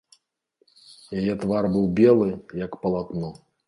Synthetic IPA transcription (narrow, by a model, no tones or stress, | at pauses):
jajɛt̪varbɨwbʲɛlˠɨjɐkpɐlˠat̪nɔ